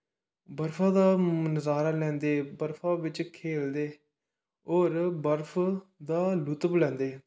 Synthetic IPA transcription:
bəɾpʰãːd̪aːmənəzaːɾaːlɛ̃ːnd̪eːbəɾpʰãːbɪt͡ʃkʰeːld̪eː | ɔːɾbəɾpʰd̪aːlʊt̪əblɛ̃ːnd̪eː

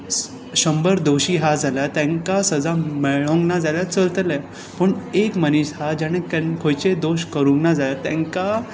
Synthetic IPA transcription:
ɕəmbəɾd̪oɕiːɦad͡zaljat̪ɛ̃ŋkasəd͡zamɛɭõŋɡnad͡zaljat͡səlt̪əla | pəɳekməniɕhad͡ʑaɽ̃ekɛnkʰojt͡ɕed̪oɕkəɾuŋɡnad͡zaljat̪ɛ̃ŋka

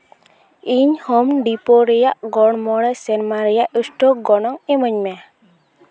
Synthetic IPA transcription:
iɲhɔmɖipɔɾɛjaʔɡɔɽmɔɽasɛnmaɾijaʔusʈɔɡɔnɔŋemɔɲmɛ

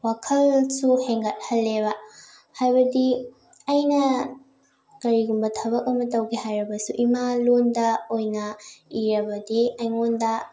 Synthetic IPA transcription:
wakʰɐlsuheŋɡɐt̚hɐlːeβɐ | hajbɐdi | ɐjnɐ | kɐɾiɡumbɐtʰɐβɐk̚ɐmɐtɐwɡehajɾɐbɐsuʔimalondɐojnɐiɾɐbɐdiɐjŋondɐ

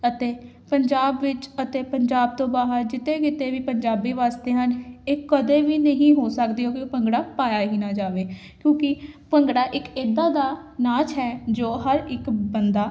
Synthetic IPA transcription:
ət̪eː | pəɲd͡ʒaːbʋɪt͡ʃət̪eːpəɲd͡ʒaːb̚t̪õːbaːɦəɾd͡ʒɪt̪eːkɪt̪eːʋiːpəɲd͡ʒaːbiːʋaːst̪eːɦəneːkəd̪eːʋiːnəɦĩːɦoːsəkd̪iːɦoːkepəŋɡɽaːpaːjaːɦiːnaːd͡ʒaːʋeː | kjõːkɪpəŋɡɽaːʔɪkeːd̪aːd̪aːnaːt͡ʃɦɛːd͡ʒoːɦəɾɪkbənd̪aː

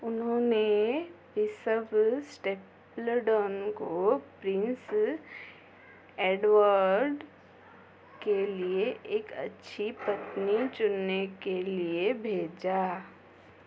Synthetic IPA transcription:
ʊnɦõːnepɪsəbsʈeːp | ləɖɔːnkopɾɪ̃ns | eːɖwəɾɖ | kelieʔeːkɐ̰tːʃʰipɐt̪nit͡ʃʊnːekeliebʱeːd͡ʒaː

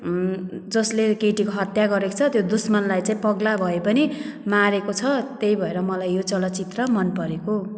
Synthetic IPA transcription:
d͡zʌslekeʈikoɦʌt̪jaɡʌɾeko̥t͡sʰʌt̪jod̪usmʌnlajt͡saĩpʌɡlabʱʌepʌnimaɾekot͡sʰʌt̪ejbʱʌeɾʌmʌlajːjot͡sʌlʌt͡sit̪rʌmʌnpʌɾeko

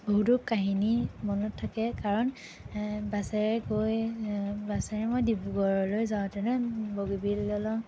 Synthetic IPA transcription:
boɦutukaɦinimɔnɔtʰːakɛkaɹɔn | basɛɹɛkojbasɛɹɛmojdibuɡɔɹɔlojzaʊ̃tɛnɛboɡibilːɔlɔ

